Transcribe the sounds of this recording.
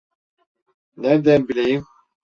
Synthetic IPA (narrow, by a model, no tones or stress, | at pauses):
nɛɾd̪ɛnbilejim